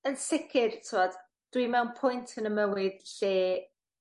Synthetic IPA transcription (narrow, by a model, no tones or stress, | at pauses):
ənsɪkʰɪrtʰɪwɔd̥ | d̥wimɛwnpʰʊjntʰənəməwɪð̥ɬeː